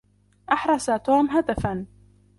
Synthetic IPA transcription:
ʔɑħɾˤɑsat̪uːmɦad̪afan

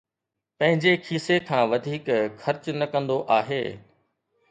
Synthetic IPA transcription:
pɐ̃ɦɪ̃ɲd͡ʑekʰiːsekʰãːʋɐd̪ʱiːkxɐɾt͡ɕnɐkɐ̃nd̪oʔaːɦeː

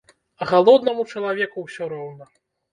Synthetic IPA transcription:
ɣalˠɔd̪nɐmut͡ʂɐlˠavʲɛkuwsʲɔɾɔwnɐ

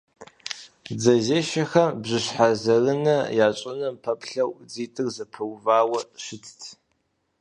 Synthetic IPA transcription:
d͡zɐzeːʃɐxɐmbʑɨɕħazɐrɨnɐjaːt͡ʃʷʼɐnɐmpʰɐpɬɐwd͡ziːtʼɨrzɐpʰɐwvaːwɐɕɪt͡sʰtʰ

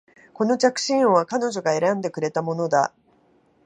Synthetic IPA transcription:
ko̞no̞t͡ɕakɯ̟̥ɕĩɰ̃βakano̞ʑo̞ɡae̞ɾãnd̪e̞kɯ̟ɾe̞t̪amo̞no̞d̪a

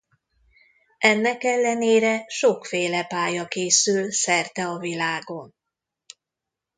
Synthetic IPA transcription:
ʔɛnːɛkɛlːɛneːɾɛʃokfeːlɛpaːjɒkeːsylsɛrt̪ɛɒvilaːɡo̞n

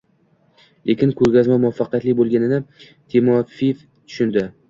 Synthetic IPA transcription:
lʔe̞kʲɪnkʰɵɾɡʲazmamʊafːaqijat̪lɪk̚ʲbolˠɡʲanɪnɪ | t̪ʰimɒfif | t̪ʰʊ̥ʃʊnd̪ɪ

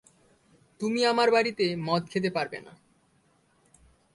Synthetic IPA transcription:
t̪umiamaɾbaɾit̪emɔt̪̚kʰet̪̬epaɾbḛna̰

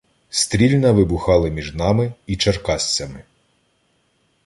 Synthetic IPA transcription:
st̪ɾʲilʲnɐʋɪbʊxɑlˠɪmʲiʒnɑmɪit͡ʃɐrkɑsʲt͡sʲɐmɪ

